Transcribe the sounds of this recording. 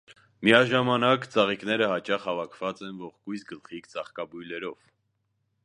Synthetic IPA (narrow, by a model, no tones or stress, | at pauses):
miɑʒɑmɑnɑkt͡sʰɑʁiknɛɾəɦɑt͡ʃɑχhɑvɑkʰvɑt͡sɛnvɔʁkujsɡəlχikt͡sɑχkɑbujlɛɾɔv